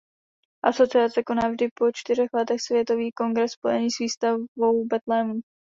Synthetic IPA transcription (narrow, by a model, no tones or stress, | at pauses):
ʔaso̞t͡sɪat͡sɛko̞naːvʒdɪpo̞t͡ʃt̪ɪɾɛxlɛt̪ɛxsvjɛt̪o̞viːko̞ŋɡɾɛspo̞̰jɛniːsviːst̪avo̞wbɛt̪lɛːmu